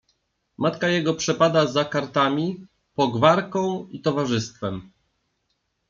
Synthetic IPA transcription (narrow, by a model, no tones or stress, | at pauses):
mat̪kajɛɡɔpʂɛpad̪azakaɾt̪amʲi | pɔɡvaɾkɔ̃w̃it̪ɔvaʐɘst̪fɛm